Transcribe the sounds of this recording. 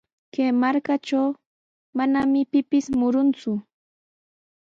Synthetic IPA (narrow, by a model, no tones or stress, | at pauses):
kemaɾkat͡ʃaw | manamɪpɪpɪsmʊɾʊnt͡sʊ